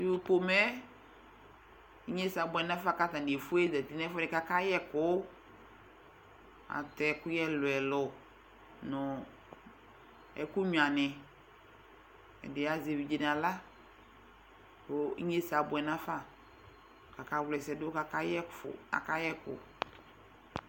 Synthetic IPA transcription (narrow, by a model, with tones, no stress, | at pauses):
di˦wu˦po˨mɛ˦ | i˦ɲe˦sa˨bʊ˨ɛ˨na˦fa˦˨ka˦ta˨n˨e˨fu˦ɛ˦zɛ˨ti˨˦nɛ˦fɔ˦ɪ˨ka˨ka˦jɛ˦kʊ˨˦ | a̰˨tɛ˨kʊ˦jɛ˦lʊ˨ɛ˨lɔ˨ | nʊ˨ | ɛ̰˨ku˦ɲ˨a˨nɛ˨ | ɛ̰˨dɪ˨a˨ze˨vi˨d͡ʒe˨n˨a˨la˦ | o˨ḭ˦ɲe˦sa˨bʊ˨ɛ˨nã˦fa˦˨ | ka˨ka˦wlɛ˨sɛ˨dʊ˦ka˨ka˦jɛ˦fa̰˨ka˦jɛ˦kʊ̰˨